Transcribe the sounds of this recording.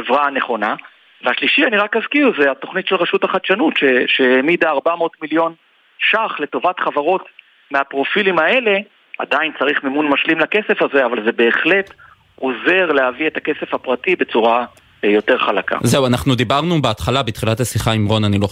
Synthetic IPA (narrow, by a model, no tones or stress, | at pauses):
evʁane̞χo̞na | veaʃliʃianiʁakazkiuzeato̞χnitʃelʁeʃuthaχadʃanutʃeʃehemidaːʁbamo̞tmiljo̞n | ʃaχle̞to̞vatχavaʁo̞t | meapʁo̞filimae̞le̞ | a̰daint͡saʁiχmemunmaʃlimlake̞se̞faze̞avalze̞be̞ːχle̞t | ʔoze̞ʁlehavietake̞sefapʁatibe̞t͡suʁa | jo̞te̞ʁχalaka̰zeuanaχnud̪ibaʁnubeat̪χalabet̪χilathasiχaimʁo̞nanilo